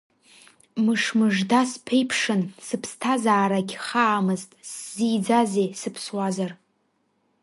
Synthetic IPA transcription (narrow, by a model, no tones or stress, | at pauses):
mɨʂmɨʐdaspʰejpʰʂɨnsɨpʰstʰazaːɾaɡʲχaːmɨztʼsz̥id͡zazejsɨpʰswazar